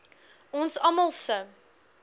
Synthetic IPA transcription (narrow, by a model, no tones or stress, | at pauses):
ɔ̃nsɐməlˠsə